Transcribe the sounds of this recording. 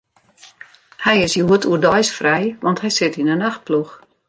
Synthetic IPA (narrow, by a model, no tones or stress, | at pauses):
hɛjɪsjuətuədɔjsfrɛjʋɑnthɛjsɪtinənaxt̚plux